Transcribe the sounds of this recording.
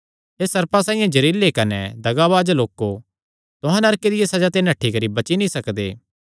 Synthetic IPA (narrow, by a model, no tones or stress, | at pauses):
ɦeːsɐɾpasãːĩjãd͡ʒɐɾiːlːekɐnɛ̰d̪ɐɡaʋaːd͡ʒloːkːo | t̪ʊɦãnɐɾked̪ɪjesɐd͡ʒat̪̬enɐʈʰːikɐɾibɐt͡ʃinĩsɐkd̪ḛː